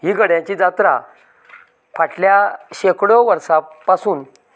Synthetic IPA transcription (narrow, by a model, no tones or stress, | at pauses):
ɦiːɡʱəɽjãt͡ɕid͡zat̪ɾa̰ | fʰaʈljaɕekɽɔʋəɾsapasuːn